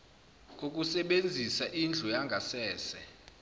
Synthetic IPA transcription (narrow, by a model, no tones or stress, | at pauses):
k̬ʼok̬ʼusɛɓend͡zʱisaʔind͡ɮʱɔjaŋɡʱasɛːsɛ